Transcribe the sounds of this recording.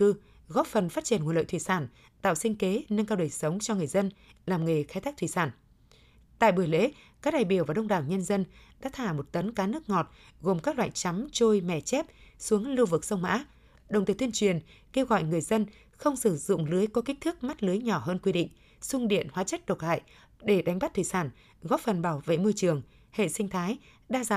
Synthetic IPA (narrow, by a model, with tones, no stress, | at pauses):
kɨ˧ | ɣɔ˦˥p̚fə˨˩nfaː˦˥t̚t͡ɕi˧˩ənŋu˨˩˨lə̰˧˨jt̪ʰi˧˩saː˧˩n | t̪a̰ː˧˨wsï˧ŋ̟ke˨˦na˧ŋkaː˧wɗəː˨˩jsə˨˦wŋ͡mt͡ɕɔ˧ŋɨ˨˩əjzə˧nlaː˨˩mŋə˨˩jxa˨˦jt̪ʰaː˦˥k̚t̪ʰwi˧˩saː˧˩n | t̪a̰ː˧˨jɓu˧˩əjlḛ˧˦ | kaː˦˥k̚ɗaː˨˩jɓi˧˩əwvaː˨˩ɗə˧wŋ͡mɗaː˨˩wɲə˧nzə˧nɗa̰ː˧˦˥t̪ʰaː˧˩mo˨˩t̚t̪ə˨˦nkaː˨˦nɨ˦˥ək̚ŋɔ˨˩t̚ | ɣo˨˩mkaː˦˥k̚lwa̰ː˧˨jt͡ɕa˨˦mt͡ɕo˧jmɛ˧˩t͡ɕɛ˦˥p̚su˨˦əŋlu˧vɨ˨˩k̚sə˧wŋ͡mma̰ː˧˥ | ɗə˨˩wŋ͡mt̪i˨˩t̪ʰi˧ənt͡ɕwi˨˩ənke˧wɣɔ̰˧˨jŋɨ˨˩əjzə˧n | xə˧wŋ͡msɨ˧˩zʊ̰˧˨ŋ͡mlɨ˨˦əjkɔ˨˦ki˦˥k̚t̪ʰɨ˦˥k̚ma˦˥t̚lɨ˨˦jɲɔ˧˩ɦəː˧nkwi˧ɗḭ̈˧˨ŋ̟ | sʊ˧ŋ͡mɗḭ˧˨ənhwaː˨˦t͡ɕə˦˥t̚ɗo˨˩t̚la̰ː˧˨j | ɗe˧˩ɗa˨˦jŋ̟ɓa˦˥t̚t̪ʰḭ˧˨jsaː˧˩n | ɣɔ˨˦˥p̚fə˨˩nɓaː˧˩wvḛ˧˨mɨ˧t͡ɕɨ˨˩əŋ | hḛ˧˨si˧ŋt̪ʰaː˨˦j | ɗaː˧zaː˧˨